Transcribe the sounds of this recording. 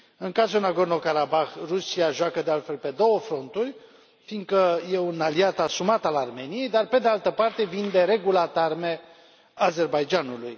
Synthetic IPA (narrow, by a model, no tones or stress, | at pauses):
ɨŋkazonaɡo̞rno̞kaɾabaxrusiaʒuakəd̪ealt̪fe̞lpe̞d̪o̞wəfɾo̞nt̪urʲ | fiŋɡkəje̞unaliat̪asumat̪alarme̞nije̞jd̪arpe̞d̪ealt̪əpart̪e̞vind̪e̞ɾe̞ɡulat̪arme̞ | aze̞rbajd͡ʒanuluj